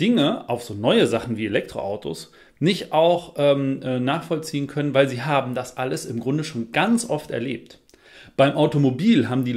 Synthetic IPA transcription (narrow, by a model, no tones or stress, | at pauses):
d̥ɪŋəaʊfz̥oːnɔʏəzaχn̩viːelɛk̚tʁ̥o̰ʔaʊtʰo̰s | nɪçtʔaʊxʔɛːmʔɛːnaːχfɔlt͡siːənkʰœnənvaɪlziːɦaːbm̩dasʔaləsɪmɡʁʊndəʃoːnɡ̥ant͡sʔɔftɛ̰ɐlḛːp̚t | b̥aɪmʔaʊtomobiːlɦaːbm̩diː